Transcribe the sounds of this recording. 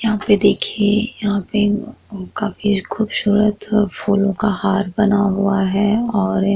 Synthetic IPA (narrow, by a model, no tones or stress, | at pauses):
jɐɦãped̪eːkʰiejɐɦãːpekaːfikʰuːbsuːɾət̪fuːlõkahaːɾbɐnaɦʊaɦɛɔːɾ